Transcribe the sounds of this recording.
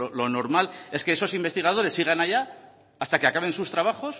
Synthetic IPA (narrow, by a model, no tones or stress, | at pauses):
olo̞no̞ɾmale̞ske̞eso̞simbe̞st̪iɣ̞að̞o̞ɾe̞sːiɣ̞anaʝaː | st̪ake̞akaβ̞e̞nsust̪ɾaβ̞axo̞s